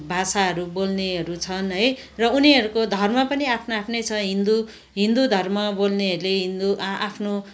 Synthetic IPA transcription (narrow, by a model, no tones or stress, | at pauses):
bʱasaɦʌɾubolneɦʌɾut͡sʰʌnɦʌjrʌuniɦʌɾukod̪ʱʌrmʌpʌniapʰnoapʰnʌjt͡sʰʌɦind̪u | ɦind̪ud̪ʱʌrmʌbolneɦʌɾuleɦind̪uʔʔapʰno